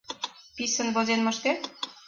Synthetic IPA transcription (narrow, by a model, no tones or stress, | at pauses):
pisə̆nβozenmə̆ʃk̪e